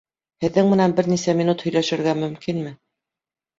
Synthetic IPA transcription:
hɘ̆ðːɘŋmɘ̆nænbɘ̆ɾnisæmʲinut̪hɵ̆jlæʃɘ̆ɾɡæmɵ̆mkinmɘ

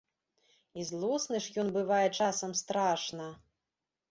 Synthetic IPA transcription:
izlˠɔsnɨʂjɔnbɨvajɛt͡ʂasɐmst̪ɾaʂnɐ

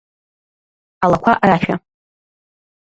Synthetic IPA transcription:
alakʷʰaʔraʃᶣa

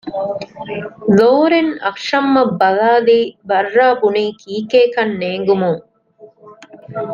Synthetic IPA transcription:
d̪oːɾenɐkʂɐmːɐbːɐðaːðibɐɾːaːpʊɳikiːkeːkɐnːeːŋɡɯmoː

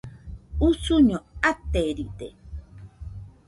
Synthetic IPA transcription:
usuɲoat̪ːeɾid̪ḛ

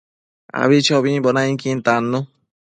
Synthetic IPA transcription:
a̰βit͡ʃʰɔβĩbɔnaj̃kint̪anːu

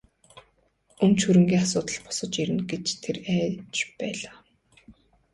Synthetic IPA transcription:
ɵmt͡ɕxuɾɵ̆ŋɡʲiːŋasʊːt̪ə̆ɮpɔ̥sə̆t͡ɕiɾɘ̆nɡet͡ɕt̪ʰeræːt͡ɕpæːɮaː

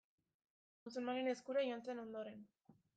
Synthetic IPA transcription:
ont͡sunmanine̞skuɾajoant͡seno̞nd̪o̞ɾe̞n

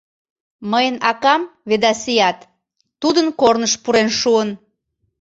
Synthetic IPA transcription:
məjənɑkɑmβed̪ɑsijɑt̪ː | ud̪ənkornəʃpuɾenʃuən

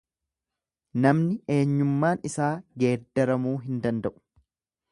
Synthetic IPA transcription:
nɐmnɪʔe̞ːɲːʊmːaːnɪsaːɡe̞ːd̪ːɐɾɐmuːɦɪnd̪ɐnd̪ɐʔʊ̥

